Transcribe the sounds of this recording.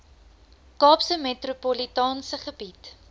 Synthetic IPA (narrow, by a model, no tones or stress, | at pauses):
kɑːpsəmetropolitɑːnsəχəbit